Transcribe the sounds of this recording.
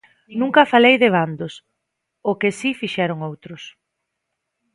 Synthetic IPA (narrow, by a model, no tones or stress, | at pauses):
nũŋkɐfalejðɪβ̞and̪ʊs | ʊkɪsifiʃɛɾʊŋowt̪ɾʊs